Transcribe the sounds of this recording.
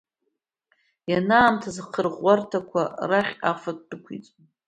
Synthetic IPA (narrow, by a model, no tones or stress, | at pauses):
janaːmtʰazqʰərʁʷartʰakʷʰaraχʲafʷad̚ːɨkʷʰḭt͡sʼ